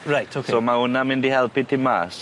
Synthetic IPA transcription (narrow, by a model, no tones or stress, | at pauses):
ɹajtʰosomaʊnamɪndihɛlˠpitʰima̰ːs